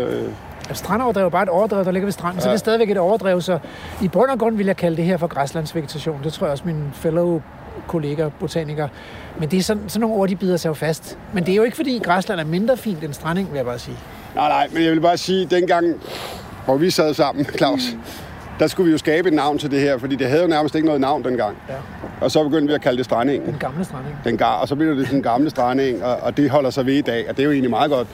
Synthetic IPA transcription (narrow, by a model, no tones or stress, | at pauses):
sd̥ʁɑnɒʊɐd̥ʁɛ̰ʊbɑ̈ːe̝ɾɒʊɐd̥ʁɛ̰ʊd̥ɑle̝ɡ̥ɐʋisd̥ʁɑ̈n̰n̩sɒ̥esd̥ɛðˠiʋeɡ̥e̝ɾɒʊɐd̥ʁɛʊsɒ̽ib̥ʁœn̰ɐɡ̥ʁɔ̽nʋe̝ljɑ̈ɪkʰæld̥e̝ɦeɐ̰fɒ̽ɡ̥ʁɑslæn̰sʋe̝ɡe̝t͡sʰæɕo̝̰ːnd̥e̝t͡sʰo̰ɐjɒsminfeloʊ | kʰo̝le̝ːɡ̥æb̥ot͡sʰɛ̰niɡ̥ɐ | mend̥e̝æɐsɒ̽nsɒnːo̝ːŋno̝ɐ̰d̥ib̥iðˠɐsʰɑ̈ʊfæsd̥mend̥e̝æɐjo̝e̝ɡ̥əfɒ̽d̥ḭːɡ̥ʁɑslænæɐme̝nd̥ʁɐfḭːnd̥ensd̥ʁɑne̝ŋʋeljäbɑ̈ːsiː | nɑ̰̈ɪnɑ̈ɪ̰menjɑ̈ʋe̝lb̥ɑ̈ːsiːd̥enɡ̥ɑ̈ŋ̰ | ʋɒʋisɛð̞ˠsɑ̈m̰n̩kʰlɑ̈ʊ̰s | d̥ɑsɡ̥uʋijo̝sɡ̥ɛːb̥əe̝d̥nɑ̈ʊ̰nt͡sʰe̝ld̥e̝heɐfɒ̽d̥ḭːd̥e̝ɦæð̞̩ˠjo̝næɐməsd̥e̝ɡ̥ənɔ̽ːð̩ˠnɑ̈ʊ̰nd̥enɡ̥ɑ̈ŋ̰ | ʔɒ̽sɒ̽b̥e̝ɡ̥øn̰d̥ʋiækʰælədesd̥ʁane̝ŋenɡ̥ɑ̈mləsd̥ʁaneŋd̥enɡ̥ɑɒsɒbe̥ø̰dd̥esnɡ̥ɑ̈mləsd̥ʁɑne̝ŋɒ̽ʔːd̥e̝ɦɒ̽l̰ɐsɑ̈ɪʋe̝id̥ɛ̰ːɒd̥ejoe̝ːnlimɑ̈ːð̞̩ˠɡ̥ɒ̽d̥